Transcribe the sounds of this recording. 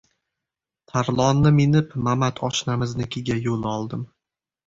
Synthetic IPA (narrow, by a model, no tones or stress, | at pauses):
t̪ʰaɾlˠɒnːɪmɪnɪpmamat̪ʰɒʃnamɪznɪkʲʰɪɡʲajolˠɒlˠd̪ɪm